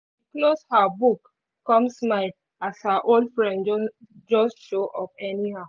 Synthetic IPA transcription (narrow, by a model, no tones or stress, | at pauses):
ikloshabukː | ɔ̃msmaɪd | ashaʔoldfɹɛ̃ndd͡ʒɔstʃoʔɔfɛnihaʊ